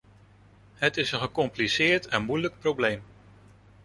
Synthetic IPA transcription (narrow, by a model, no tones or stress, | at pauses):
hətɪsənχəkɔmplisɪːɹtɛnmujlək̚prowblejm